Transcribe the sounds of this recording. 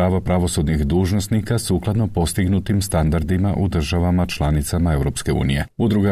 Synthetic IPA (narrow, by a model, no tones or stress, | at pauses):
aːʋapɾaʋo̞sud̪nixd̪uːʒno̞st̪nikasuːklˠad̪no̞po̞st̪iɡnut̪imst̪and̪aɾd̪imaʔud̪r̩ʒaʋamat͡ʃlˠanit̪samae̞vɾo̞pske̞ṵːnije̞̰ud̪ɾuɡa